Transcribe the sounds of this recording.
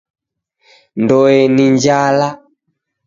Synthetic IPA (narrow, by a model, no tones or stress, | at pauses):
ndɔɛniɲd͡ʒala